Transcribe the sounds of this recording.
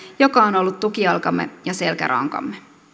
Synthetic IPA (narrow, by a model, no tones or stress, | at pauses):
jokɑono̞lːut̪t̪ːukiɑlkɑmːe̞̰jɑse̞lkæ̰ɾʔɑ̰ŋkɑ̰mːe